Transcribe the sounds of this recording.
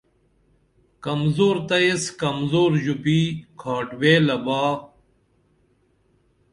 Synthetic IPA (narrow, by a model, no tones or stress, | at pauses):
kɐmzoːɾt̪ɐeskɐmzoːɾʑupiːkʰaːʈweːlɐbaː